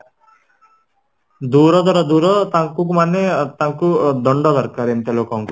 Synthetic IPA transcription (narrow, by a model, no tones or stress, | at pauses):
d̪uːɾɔd̪ɔɾɔd̪uːɾɔt̪aŋkuk̬umanːet̪aŋkud̪ɔɳɖɔd̪ɔɾkaɾemt̪elokaŋku